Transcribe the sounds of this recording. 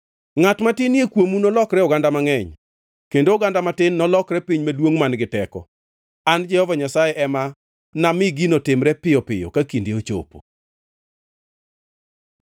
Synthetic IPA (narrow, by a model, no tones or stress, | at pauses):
ŋatmatɪniekwomunɔlɔkɾɛɔɡandamaŋɛɲ | kendoːɡandamatɪnːɔlɔkɾɛpiɲmalwoŋmanɡɪtɛkɔ̰ | and͡ʒɛhɔvaɲasajɛʔɛma | namɪɡinotɪmɾɛpɪjɔpɪjɔ̰kakindeot͡ʃo̰po̰